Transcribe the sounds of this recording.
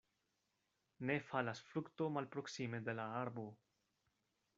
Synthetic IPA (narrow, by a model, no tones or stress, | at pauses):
ne̞falasfɾukto̞malpɾo̞ksimed̪e̞laaɾbo